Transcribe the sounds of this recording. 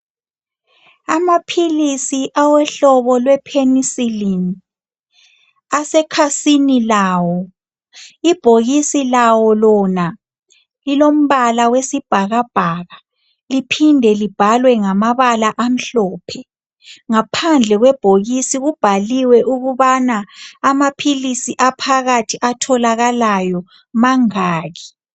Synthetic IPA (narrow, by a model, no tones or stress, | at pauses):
amapʰilisiʔawɛɬɔβɔlwɛpʰenisilini | asɛkʰasinilaːwɔ | ib̥ʱoɣisilawɔlɔna | lilom̩βalawesib̥ʱaɣab̥ʱaːɣa | lipʰindʱɛlib̥ʱalwɛŋamaβalaʔam̩ɬɔːpʰɛ | ŋapʰand͡ɮʱɛɣwɛb̥ʱoɣisiɣub̥ʱaliwɛʔuɣuβanaːmapʰilisiʔapʰaɣatʰiʔatʰɔlaɣalajɔ | maŋaːɣi